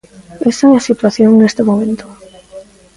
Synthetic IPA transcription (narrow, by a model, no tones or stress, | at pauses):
esaɛasit̪waθjoŋnest̪emomẽnt̪o̥